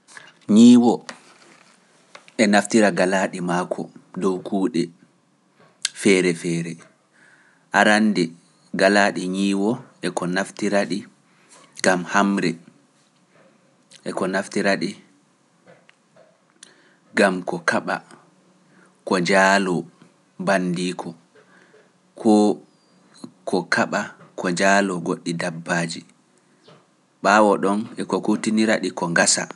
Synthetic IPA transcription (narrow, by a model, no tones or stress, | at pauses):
ɲiːwɔ | ɛnaftiɾaɡalaɗimaːkʰɔ̰dɔwkʰuːɗɛ | fɛɾɛfɛːɾɛ | ʔaɾandɛ | ɡalaːɗiɲiːwɔʔɛkɔnaftiɾaɗi | ɡamhamɾɛ | ʔɛkɔnaftiɾaɗi | ɡamkɔkaɓa̰ | kɔd͡ʒaːlɔ | bandiːkʰɔ | kʰɔ | kʰɔkʰaɓakʰɔd͡ʒaːlɔɡoɗːidabːaːd͡ʒi | ɓaːwɔɗɔnɛkɔkutiniɾaɗikɔŋɡasa̰